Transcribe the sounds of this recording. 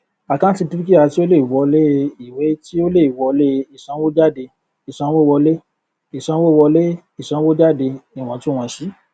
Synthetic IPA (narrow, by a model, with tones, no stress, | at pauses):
a˨kã˦ti˧ti˦ɾi˦ki˦˨a˧ti˦o˦le˦˨i˨wɔ˧le˦˧i˨we˨˦ti˦o˦le˦˨i˨wɔ˧le˦˧i˨sã˧˦wo˦d͡ʒa˦˨de˧ | i˨sã˧˦wo˦˧wɔ˧le˦ | i˨sã˧˦wo˦˨˧wɔ˧le˦ | i˦˨sã˧˦wo˦d͡ʒa˦˨de˧i˨w̃ɔ̃˨˧˦ti˦w̃ã˧˨ʃi˨˦